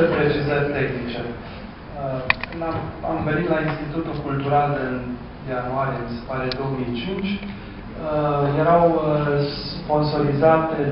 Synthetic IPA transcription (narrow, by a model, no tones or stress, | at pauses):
pɾe̞t͡ʃizərʲt̪e̞xnit͡ʃe | əkɨnaamveɾit̪lainst̪it̪ut̪ulkult̪uɾalɨn | januaɾjiemise̞̥paɾeed̪o̞omijt͡ʃint͡ʃʲ | əjeɾawsspo̞nso̞ɾizat̪e